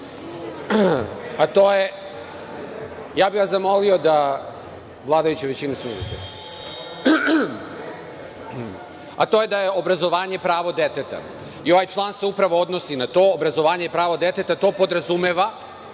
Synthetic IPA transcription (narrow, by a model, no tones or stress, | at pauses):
at̪oːje | jaːbiɡazamo̞lio̞d̪a | ʋlˠaːd̪ajut͡ɕeʋe̞t͡ɕinesud̪it̪e | a̰t̪o̞ːje̞d̪aje̞obɾazo̞ʋaːɲe̞pɾaːʋo̞d̪e̞t̪et̪a̰ | io̞ʋajt͡ʃlˠaːnseupɾaʋo̞od̪nosinat̪o̞ːbɾazo̞ʋaːɲepɾaːʋo̞d̪e̞t̪et̪at̪o̞ːpo̞d̪ɾazumeːʋa